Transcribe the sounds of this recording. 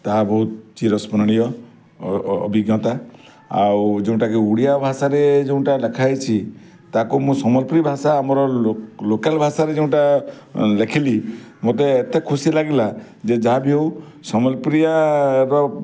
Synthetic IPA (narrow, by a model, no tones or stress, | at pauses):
t̪aɦabɔɦut̪̚t͡ʃiɾɔspɔnɔɽ̃ijɔ | biɡjɔt̪a | a̰wd͡ʒeũʈakiuɽijabʱasaɾed͡ʒeũʈalekʰajt͡ʃʰi | t̪akumũsɔmɔlpɾibʱasaːmɔɾɔlokalbʱasaɾed͡ʒeũʈa | lekʰilimot̪eːt̪ekʰusilaɡila | d͡ʒed͡ʒaɦabʱiɦow | sɔmɔlpɾijaɾɔ